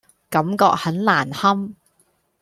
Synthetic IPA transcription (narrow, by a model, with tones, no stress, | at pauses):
kɐ˨˥mkɔː˧k̚hɐ˨˥nlaː˨˩nhɐ˥m